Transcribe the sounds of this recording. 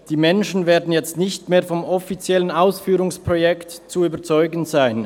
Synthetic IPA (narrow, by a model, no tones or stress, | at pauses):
d̥iːmɛnʃn̩veːɐdn̩jɛt͡stnɪçtmeːɐfɔmɔfit͡sjɛlənaʊsfyːʁʊŋspʁ̥ojɛktt͡suyːbɐt͡sɔʏɡən̩zaɪn